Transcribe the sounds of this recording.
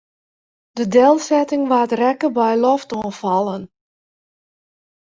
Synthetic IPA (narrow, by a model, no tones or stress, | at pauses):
dədeːlˠsɛtɪŋʋaːtrɛkəbɛjlɔftɔːnfɑlˠən